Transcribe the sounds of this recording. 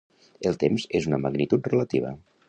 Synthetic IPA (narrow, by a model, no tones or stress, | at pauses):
elˠt̪emzezunəməɣnit̪ut̪̚rələt̪ḭβ̞ə̰